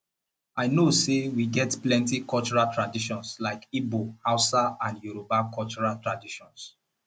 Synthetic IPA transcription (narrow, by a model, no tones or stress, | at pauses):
aɪnosewiɡɛtplɛ̃ntikɔlt͡ʃɔɹaltɹadiʃɔ̃nslaɪkibohaʊsaãnjuɾopakʰɔlt͡ʃɔɹaltɹadiʃɔ̃ns